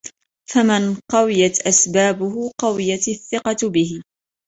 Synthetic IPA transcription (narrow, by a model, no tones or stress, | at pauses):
famɪnqɑwɪjat̪ʔasbaːbʊɦʊqɑwɪjat̪aθːɪqɑbɪhɪ